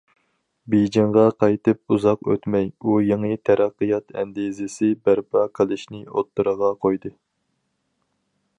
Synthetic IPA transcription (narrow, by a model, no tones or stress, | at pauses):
bejd͡ʒɪɴʁɑqʰɑjt̪ɨp̚uzɑqø̰t̪mɛjujeŋɨt̪ʰæɾʔæqːəjɑt̪ʰɛ̰nd̪izɪsɪbæɾpʰɑkʰəlˠɪʃnɪot̪ːɨɾəʁɑqʰojd̪ɨ